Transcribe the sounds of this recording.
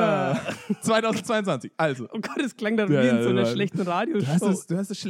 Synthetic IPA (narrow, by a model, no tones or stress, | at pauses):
at͡sv̥aɪtaʊzn̩tt͡sv̥aɪʊntt͡svant͡sɪ̥çʔalzoʔoɡ̥ɔtɛskl̥aŋdaiːzuanɐʃlɛçtn̩ʁaːdjouhassd̥uːhastɛsʃ